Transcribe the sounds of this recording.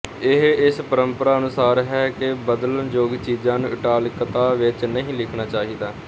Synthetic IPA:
ɪɦɪspəɾəmpəɾaːənʊsaːɾɦɛːkɪbəd̪lənd͡ʒoːɡt͡ʃiːd͡ʒãːnũːʔɪʈaːlkət̪aːʋɪt͡ʃnəɦĩːlɪkʰnaːt͡ʃaːɦiːd̪aː

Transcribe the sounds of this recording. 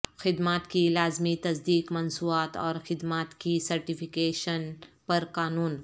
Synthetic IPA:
xɪd̪maːt̪kilaːzmit̪ɐzd̪iːkmɐnsuːaːt̪ɔ̰ːɾxɪd̪maːt̪kisɐɾʈifɪkeːʃənpɐɾkaːnuːn

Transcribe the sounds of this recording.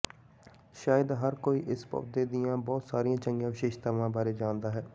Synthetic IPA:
ʃaːjəd̪ɦəɾkoːiːʔɪspə̰ʋd̪eːd̪ɪjãːbɔːt̪saːɾijãːt͡ʃə̃ŋɡjãːʋɪʃeːʃt̪aːʋãːbaːɾeːd͡ʒaːnd̪aːɦɛː

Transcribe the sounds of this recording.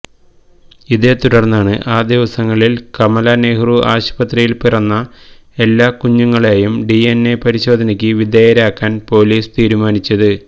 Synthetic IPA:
iðet̪uɽɐrnːaːɳɨʔaːd̪iʋɐsɐŋːɐɭilkɐmɐlɐneːɦruʔaːɕbɐt̪rɐjilpirɐnːɐ | e̞lːaːkuɲːuŋːɐɭe̞ːjumɖienːe̞pɐɾiɕo̞ːd̪ʱɐnikʲːɨʋid̪eːjɐɾaːkːaːnpo̞ːliːst̪iːɾumaːnit͡ɕːɐðɨ

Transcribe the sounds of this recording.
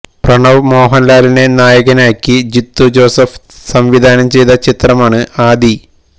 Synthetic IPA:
prɐɳɐʋmo̞ːɦɐnlaːline̞naːjɐɣɐnaːkʲːid͡ʑit̪ːud͡ʑo̞ːsɐf | sɐmʋid̪ʱaːnɐmt͡ɕe̞jt̪ɐt͡ɕit̪rɐmaːɳɨaːd̪i

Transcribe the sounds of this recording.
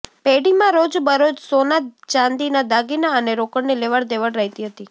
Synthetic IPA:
peɽimãɾod͡ʒbəɾod͡ʒsonat̪t͡ʃãnd̪inad̪aɡinaəneɾokəɽnileʋaɽd̪eʋəɽɾəɦit̪iɦət̪i

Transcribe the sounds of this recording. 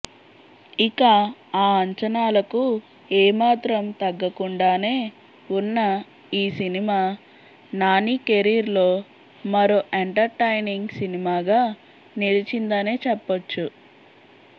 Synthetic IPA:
ikaaːɐɲt͡ʃɐnaːlɐku | eːmaːt̪ɾɐmt̪ɐɡːɐkuɳɖaːne̞ː | unːɐ | iːsinimaː | naːnikeɾiɾlo̞ː | mɐɾoːʔeɳʈɐɾʈɐjniŋɡsinimaːɡaː | nilit͡ʃind̪ɐne̞ːt͡ʃɛpːɐt͡ʃːu

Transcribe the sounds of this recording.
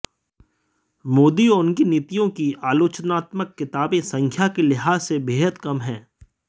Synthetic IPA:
moːd̪iɔʊnkiniːt̪ijõkiaːloːt͡ʃnaːt̪məkːɪt̪aːbẽsɐ̃ŋkʰjakilɪɦaːsebeːɦəd̪kɐmɦɛ̃ː

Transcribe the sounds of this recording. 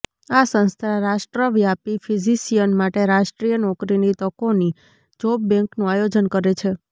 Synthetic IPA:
asə̃ñst̪ʰaɾaʃʈɾəʋjapifʰizisijənmaʈeɾaʃʈɾijənɔkɾinit̪əkoni | d͡ʒobbɛ̃ŋknũajod͡ʒənkəɾet͡ʃʰe

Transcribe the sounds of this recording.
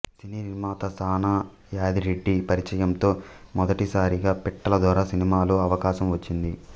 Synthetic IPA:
siniːɾimaːt̪ɐsaːnaː | jaːd̪iɾeɖːipɐɾit͡ʃɐjɐmt̪o̞ːmɔd̪ɐʈisaːɾiɡaːpiʈːɐlɐd̪ʋaːɾaːsinimaːluɐʋɐkaːʃɐmʋɐt͡ʃːind̪i

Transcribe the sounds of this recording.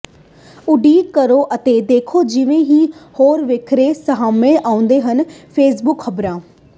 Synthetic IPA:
ʊɖiːkəɾoːʔət̪ed̪eːkʰoːd͡ʒɪʋẽɦiːhoːɾʋeːkʰɾesəɦaːmẽʔaːʊ̃nd̪eːɦənpʰeːs̬bʊkxəbɾãː

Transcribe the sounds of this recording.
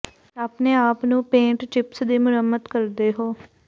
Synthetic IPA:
aːpneːaːpnũːpẽːʈt͡ʃɪpsd̪iːmʊɾəmːəd̪kəɾd̪eːɦoː

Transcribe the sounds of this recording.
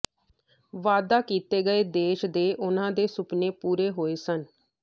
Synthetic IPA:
ʋaːd̪aːkiːt̪eːɡəeːd̪eːʃd̪eːʔʊnãːd̪eːsʊpneːpuːɾeːɦoːeːsən

